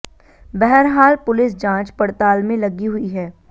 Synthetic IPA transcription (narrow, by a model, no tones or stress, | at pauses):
bɛɦɛɾɦaːlpʊlɪsd͡ʒãːt͡ʃpɐɽt̪aːlmẽlɐɡiɦʊiɦɛː